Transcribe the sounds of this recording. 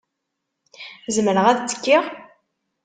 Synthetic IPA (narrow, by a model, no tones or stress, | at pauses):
zəmɾəʁæðt͡sːə̥kːiʁ